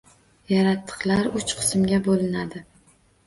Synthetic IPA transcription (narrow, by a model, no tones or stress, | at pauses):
jaɾat̪ʰːɨ̥qlˠaɾʊt͡ʃqʰɨ̥smɡʲabolɪnad̪ɪ